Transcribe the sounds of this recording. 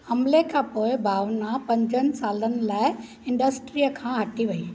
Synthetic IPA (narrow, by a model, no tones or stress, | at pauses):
hɐmlekʰãːpoːɪbʱaːʋnapɐ̃ɲd͡ʑənɪ̆saːlənɪ̆laːɪ | ɪ̃ɳɖəsʈɾijəkʰãːɦɐʈiʋɐiː